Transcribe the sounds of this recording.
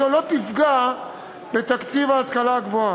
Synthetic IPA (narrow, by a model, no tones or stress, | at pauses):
olot̪ifɡa | bet̪akt͡sivaːskalaɡvoa